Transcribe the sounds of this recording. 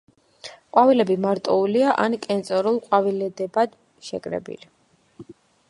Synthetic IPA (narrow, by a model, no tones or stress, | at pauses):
qʼwavilɛbimaɾt̪ʼɔuliaʔankʼɛnt̪sʼɔɾulˠqʼwavilɛd̪ɛbad̪̥ | ʃɛ̰kʼɾɛ̰bḭli